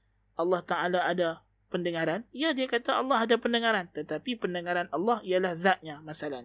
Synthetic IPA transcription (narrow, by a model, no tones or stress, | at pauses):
ʔɑlːɑht̪aʔalaada | pəndəŋãɾanijadiakat̪aɑlːɑɦadapəndəŋãɾant̪ət̪apipəndəŋãɾanɑlːɑhijalahðat̪̚ɲãmasala